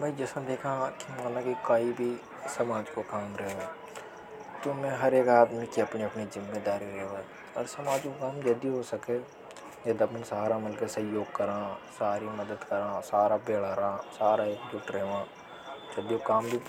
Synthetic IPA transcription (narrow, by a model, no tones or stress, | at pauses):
mɛ̃d͡ʒɛsãd̪eːkʰãkimaːnãkikaːibʱi | sɐmaːd͡ʒkokaːmɾɐɦaː | t̪omɛ̃ɦɐɾeːkaːd̪mikiɐpniɐpnizɪmːeːd̪aːɾiɾɐɦɛ | ɔːɾsɐmaːd͡ʒkokaːmd͡ʒɐd̪iɦosɐke | ed̪ɐmənsaːɾamɐlkesɐ̃joːɡ̚kɐɾãːsaːɾimɐd̪əd̪kɐɾãːsaːɾabeːlaːɾasaːɾaeːkd͡ʒʊʈɾɛɦʋãː | d͡ʒɐb̪iokaːmbʱi